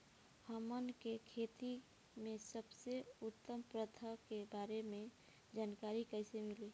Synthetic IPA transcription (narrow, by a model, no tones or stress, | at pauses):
həmənkekʰeːt̪i | mẽsəbseʊt̪ːəmpɾət̪ʰəkebaːɾemẽ | d͡ʒaːnkaːɾikəɪsemɪliː